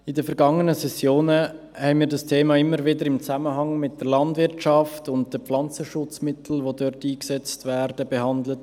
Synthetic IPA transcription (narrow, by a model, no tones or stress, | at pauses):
ɪdəfɛɾɡɑŋənəsɛsjoːnə | hɛɪnmiːɾdɑstʰeːmɑːɪmːəɾvɪdəɾɪmt͡sæməɦɑŋmɪt̚d̥əɾlɑndvɪɾtʃɑftʊnt̚d̥əpp͡flɑnt͡səʃʊt͡smɪtʰl̩vodøɾtiːksɛt͡stvɛːɾdəbehɑndlət